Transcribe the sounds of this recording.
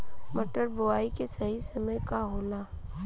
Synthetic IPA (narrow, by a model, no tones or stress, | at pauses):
mɐʈəɾbʊaːikesɐɦisɐməjkaɦoːlaː